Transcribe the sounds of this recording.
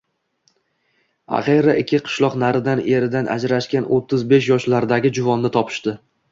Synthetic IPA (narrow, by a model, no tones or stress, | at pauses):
a̰χeɾaɪkʲʰːɪqʰɨ̥ʃlˠɒqnaɾɪd̪ane̞ɾɪd̪anʔa̰d͡ʒɾaʃkʲanot̪ʰːɪzbe̞ʃjɒʃlaɾd̪aɡʲɪd͡ʒʊvɒnːɪt̪ʰɒpʰɪ̥ʃt̪ɪ